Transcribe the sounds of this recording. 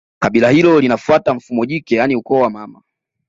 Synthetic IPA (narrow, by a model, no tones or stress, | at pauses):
kaɓilahilɔlinafuataɱ̩fumɔʄikɛjaniukɔwamama